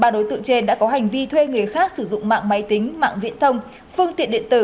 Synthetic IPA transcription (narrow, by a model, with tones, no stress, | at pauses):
ɓaː˨˩ɗo˨˦jt̪ɨ̰˧˨t͡ɕe˧nɗa̰ː˧˥kɔ˨˦ɦa˨˩jŋ̟vi˧t̪ʰwe˧ŋɨ˨˩əjxaː˦˥k̚sɨ˧˩zʊ̰˧˨ŋ͡mma̰ː˧˨ŋma˨˦jt̪ï˨˦ŋ̟ma̰ː˧˨ŋvḭ˧˥ənt̪ʰə˧wŋ͡m | fɨ˧əŋt̪ḭ˧˨ɗḭ˧ənt̪ɨ˧˩